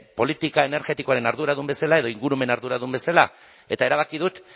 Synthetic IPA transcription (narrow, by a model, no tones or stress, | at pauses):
po̞lit̪ikae̞ne̞ɾɣe̞t̪ikoaɾe̞naɾðuɾaðumbe̞salae̞ðo̞iŋɡuɾume̞naɾðuɾaðumbe̞sala | e̞t̪ae̞ɾaβ̞akið̞ut̪